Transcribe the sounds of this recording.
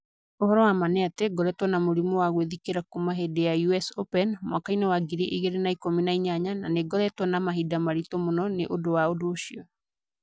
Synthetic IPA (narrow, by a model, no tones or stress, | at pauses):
ohɔɾɔwamanɛateɡɔɾɛtwɔnamoɾimɔwaɣweðikeɾakumaɦedejajuɛsopɛnmwakainewaɡiɾiʔiɣeɾenaikominaiɲaɲananeɡɔɾɛtwɔnamaɦidamaɾitomonɔneʔodowaodoːɕiɔ